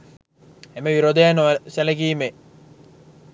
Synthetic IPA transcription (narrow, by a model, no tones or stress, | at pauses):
emeʋiɾod̪ejanoseleɡiːme